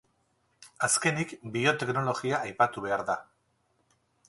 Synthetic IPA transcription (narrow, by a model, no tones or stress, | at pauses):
aske̞nikbio̞t̪e̞kno̞lo̞ɣiaʔːjpat̪uβe̞aɾða